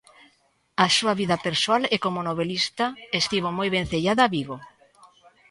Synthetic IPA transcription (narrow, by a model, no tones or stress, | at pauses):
asuaβiðapeɾsoalekomonoβelist̪aest̪iβ̞omojβen̟θeʎaðaːβiβo